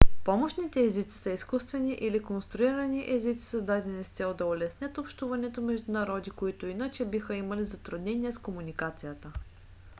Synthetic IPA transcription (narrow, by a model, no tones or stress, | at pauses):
pɔmoʃnit̪ɛːzit̪si̥sɐiskust̪vɛniʔilikonst̪ɾʊiɾɐniʔɛzit̪si̥sɐzd̪ad̪ɛnʲist̪sɛlˠd̪ɐolɛsnʲət̪opʃt̪uvɐnɛt̪omɛʒd̪ʊnɐɾɔd̪ikoit̪oinət͡ʃɛbixəimɐlizɐt̪ɾʊd̪nɛniɛskomunikat̪sijət̪ə